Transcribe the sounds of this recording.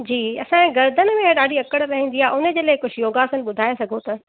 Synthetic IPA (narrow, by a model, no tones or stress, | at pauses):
d͡ʑiːɐsãɡɐɾd̪ʱənɪ̆mẽɗaːɽʱiɐkəɽɾɐɦĩːn̆d̪iaːɦeʊnə̆d͡ʑeːlɐekʊd͡ʑʰʱjoːɡaːsənɪ̆ɓʊd̪ʱaːesɐɡʱõt̪ɐ